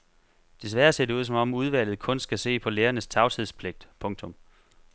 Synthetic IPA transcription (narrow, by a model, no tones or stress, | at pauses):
d̥e̝s̬ʋæːɐse̝ɐd̥euð̰ˠs̬ɒ̽mɒ̽muð̞ˠʋæl̰ð̩ˠkʰɔ̽nsɡ̥æse̝̰ːpʰɒ̽leːɐnəst͡sʰɑ̈ʊt͡sʰið̞ˠspʰleɡ̥̚d̥pʰɔ̽ŋt͡sʰɔ̽m